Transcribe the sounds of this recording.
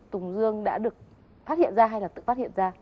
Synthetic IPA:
t̪ʊ˨˩ŋ͡mzɨ˧əŋɗa̰ː˧˥ɗɨ˨˩ək̚ | faː˦˥t̚hḭ˧˨ənzaː˧ɦa˧jlaː˨˩t̪ɨ̰˧˨fa˦˥t̚hḭ˧˨ənzaː˧

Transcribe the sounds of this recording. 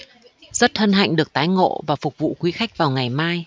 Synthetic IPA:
z̥ə˦˥t̚t̪ʰə˧nɦa̰˧˨jŋ̟ɗɨ˨˩ək̚t̪aː˨˦jŋo̰˧˨vaː˨˩fʊ˨˩k͡p̚vṵ˧˨xwi˨˦xa˦˥jk̟̚vaː˨˩wŋa˨˩jmaː˧j

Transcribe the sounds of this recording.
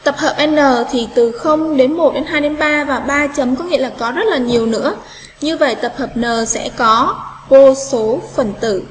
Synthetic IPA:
t̪ə˨˩p̚həː˨˩p̚ʔɛ˧nːəː˨˩t̪ʰi˨˩t̪ɨ˨˩xə˧wŋ͡mɗe˨˦nmo˨˩t̚ɗe˨˦nɦaː˧jɗe˨˦nɓaː˧vaː˨˩ɓaː˧t͡ɕə˨˦mkɔ˨˦ŋḭ˧˨əlaː˨˩kɔ˨˦zə˦˥t̚laː˨˩ɲi˨˩əwnɨ̰˧˥ə | ɲɨ˧və̰˧˨jt̪ə˨˩p̚həː˨˩p̚nəː˨˩sɛ̰˧˥kɔ˨˦vo˧so˨˦fə˨˩nt̪ɨ̰˧˩

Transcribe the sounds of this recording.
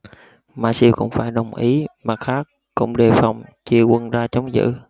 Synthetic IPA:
maː˧˩si˧wxʊ̰˧˥wŋ͡mfaː˧˩jɗə˨˩wŋ͡mʔi˨˦maː˨˩xaː˦˥kːʊ̰˧˥wŋ͡mɗe˨˩fa˨˩wŋ͡mt͡ɕi˧əkwə˧nzaː˧t͡ɕɔ˨˦wŋ͡mzɨ̰˧˥

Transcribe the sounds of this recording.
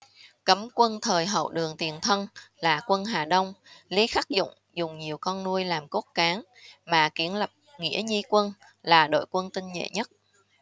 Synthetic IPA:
kə˨˦mkwə˧nt̪ʰəː˨˩jɦə̰˧˨wɗɨ˨˩əŋt̪i˨˩ənt̪ʰə˧nlaː˨˩kwə˧nɦaː˨˩ɗə˧wŋ͡mli˨˦xaː˦˥k̚zʊ̰˧˨ŋ͡m | zʊ˨˩ŋ͡mɲi˨˩əwkɔ˧nnu˧əjlaː˨˩mko˦˥t̚kaː˨˦ŋ | maː˨˩ki˨˧˦ənlə˨˩p̚ŋḭ˧˥əɲi˧kwə˧n | laː˨˩ɗo̰˧˨jkwə˧nt̪ï˧ŋɲḛ˧˨ɲə˦˥t̚

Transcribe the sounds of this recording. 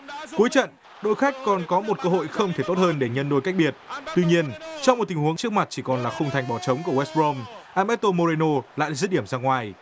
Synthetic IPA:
ku˨˦jt͡ɕə̰˧˨n | ɗo̰˧˨jxa˦˥k̟̚kːɔ˨˩nkɔ˨˦mo˨˩t̚kəː˧ɦo̰˧˨jxə˧wŋ͡mt̪ʰe˧˩t̪o˦˥t̚həː˧nɗe˧˩ɲə˧nɗo˧jka˦˥k̟̚ɓi˨˩ət̚t̪wi˧ɲi˧ənt͡ɕɔ˧ŋ͡mm˨˩t̚t̪i˨˩ŋ̟hu˨˦əŋt͡ɕɨ˦˥ək̚ma˨˩t̚t͡ɕi˧˩kɔ˨˩nlaː˨˩xə˧wŋ͡mt̪ʰa˨˩jŋ̟ɓɔ˧˩t͡ɕə˨˦wŋ͡mku˧˩əwɛ˦˥s̚ɹo˧mʔaː˧mɛ˦˥t̚t̪o˧mo˧ɾe˧no˧la̰ː˧˨˦zɨ˦˥t̚ɗi˧˩əmzaː˧ŋwaː˨˩j

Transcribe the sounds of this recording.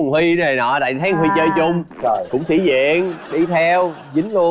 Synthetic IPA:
ŋ͡mhwi˧nə˨˩nɔ̰˧˩ta̰ː˧˨t̪ʰaː˨˦ŋhwi˧t͡ɕəː˧jt͡ɕʊ˧wŋ͡m | kʊ̰˧˥wŋ͡msḭ˧˥zḭ˧˨ənɗi˧t̪ʰɛ˧w | zï˨˦ŋ̟lu˧ə

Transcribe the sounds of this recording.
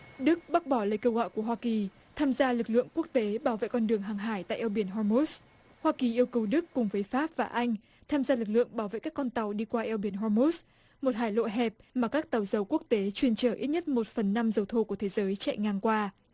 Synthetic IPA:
ɗɨ˦˥k̚ɓa˦˥t̚ɓɔ˧˩ləː˧˨jkəː˧wɣɔ̰˧˨jku˧˩əɦwaː˧ki˨˩ | t̪ʰaː˧mzaː˧lɨ˨˩k̚lɨ̰˧˨əŋku˦˥ək̚t̪e˨˦ɓaː˧˩wvḛ˧˨jkɔ˧nɗɨ˨˩əŋɦaː˨˩ŋɦaː˧˩jt̪a̰ː˧˨jʔɛ˧wɓi˧˩ənɦɔ˧mo˦˥s | hwaː˧ki˨˩ʔi˧əwkə˨˩wɗɨ˦˥kːʊ˨˩ŋ͡mvəː˨˦jfaː˦˥p̚vaː˨˩ʔa˧jŋ̟ | t̪ʰaː˧mzaː˧lɨ˨˩k̚lɨ̰˧˨əŋɓaː˧˩wvḛ˧˨kaː˦˥kːɔ˧nt̪a˨˩wɗi˧kwaː˧ʔɛ˧wɓi˧˩ənɦɔ˧mu˦˥s | mo˨˩t̚ɦaː˧˩jlo̰˧˨jɦɛ˨˩p̚maː˨˩kaː˦˥k̚t̪a˨˩wzə˨˩wku˦˥ək̚t̪e˨˦t͡ɕwi˧ənt͡ɕəː˧˩ʔi˦˥t̚ɲə˦˥t̚mo˨˩t̚fə˨˩nːa˧mzə˨˩wt̪ʰo˧˩ku˧˩ət̪ʰe˨˦zəː˨˦jt͡ɕɛ̰˧˨ŋaː˨˩nkwaː˧

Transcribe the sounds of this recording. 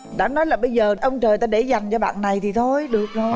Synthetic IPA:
ɗa̰ː˧˥nɔ˨˦jlaː˨˩ɓə˧jzəː˨˩ʔə˧wŋ͡mt͡ɕəː˨˩jt̪aː˧ɗe˧˩za˨˩jŋ̟t͡ɕɔ˧ɓa̰ː˧˨nːa˨˩jt̪ʰi˨˩t̪ʰo˧jɗɨ˨˩ək̚nɔ˨˦

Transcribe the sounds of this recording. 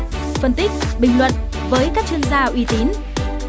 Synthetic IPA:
fə˧nt̪i˦˥k̟̚ɓï˨˩ŋ̟lwə̰˨n | vəː˨˦jkaː˦˥k̚t͡ɕwi˧ənzaː˧ʔwi˨˧˦t̪i˨˦n

